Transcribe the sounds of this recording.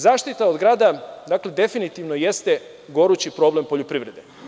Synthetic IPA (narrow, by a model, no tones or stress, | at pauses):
zaːʃt̪it̪aod̪ɡɾaːd̪ad̪akle̞d̪e̞finit̪iʋnoje̞st̪e̞ | ɡo̞ɾut͡ɕipɾo̞ble̞mpo̞ʎopɾiʋɾe̞d̪e